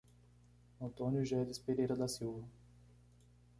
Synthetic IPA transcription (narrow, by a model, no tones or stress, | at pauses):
ɐ̃t̪õnjʊʒɛd̪ɪspeɾejɾɐd̪ɐsiwvɐ